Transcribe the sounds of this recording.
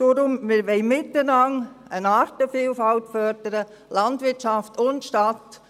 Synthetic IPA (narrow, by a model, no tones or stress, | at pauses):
d̥oɾʊmmɪɾʋɛɪmɪtːənɑŋənɑːɾtəfiːlfɑltfœɾd̥əɾə | lɑntvɪɾt͡ʃɑftʰʊntʃtat